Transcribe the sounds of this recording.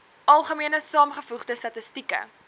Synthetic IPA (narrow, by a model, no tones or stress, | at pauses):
ɐlˠχəmiənəsɑːmχəfuχdəstɐtəstikə̰